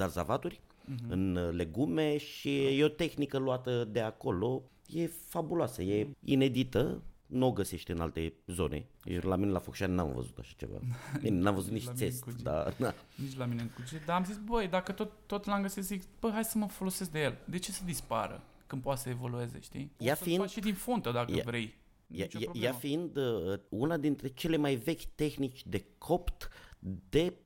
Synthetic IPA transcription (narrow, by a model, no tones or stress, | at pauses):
zarzavat̪urʲɨnle̞ɡume̞ʃijeot̪e̞xnikəluat̪əd̪e̞ako̞lo̞ | je̞fabuloasəje̞ḭne̞d̪it̪ənoɡəse̞ʃt̪ɨnalt̪e̞zo̞̰ne̞̰laminelafokʃanna̰mvə̰zut̪aʃḁt͡ʃḛva̰ninamvəzut̪niʃsest̪d̪a̰na | nit͡ʃlamineɨŋkut͡ʃed̪aːmzisbəjd̪akət̪ot̪ːot̪laŋɡəsezikbəɦajsəməfo̞lo̞ses̬k̚d̪ejeld̪e̞t͡ʃe̞səd̪ispa̰ɾə̰ | kɨnpoat̪səevo̞lue̞zḛʃt̪ḭjasfiinʃid̪infunt̪əd̪akəavɾe̞j̪ | jat͡ʃeaɾoljafiind̪əəunad̪int̪ɾe̞t͡ʃe̞le̞majve̞kʲt̪e̞xnit͡ʃʲd̪e̞kʰo̞pt̪d̪e̞